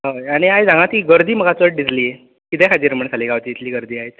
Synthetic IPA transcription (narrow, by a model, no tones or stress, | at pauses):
ɦəaɽ̃iajd͡zãŋɡat̪iːɡəɾd̪iːm̤əɡat͡səʈ̚ɖ̪isliːe | kit̪ʰɛkʰad͡ʑiːɾm̤əɳsʰaliːɡaʋt̪iːit̪liːɡəɾd̪iːajt͡s